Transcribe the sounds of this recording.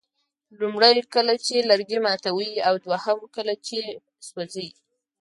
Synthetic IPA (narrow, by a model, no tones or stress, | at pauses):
lumɽajkəlat͡ʃelaɾɡimɑt̪awiawd̪wahamkəlat͡ʃe | swazaji